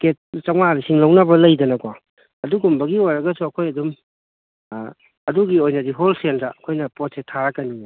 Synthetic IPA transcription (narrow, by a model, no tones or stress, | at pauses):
ket̚t͡ʃɐmaɾisiŋlɐwnɐbɐlɐjdɐnɐko | ɐduɡumbɐɡiojɾɐɡɐsuɐkʰojɐdum | ɐduɡiojnɐdiɦolsenɐɐkʰojnɐpot̚setʰaɾɐkɐni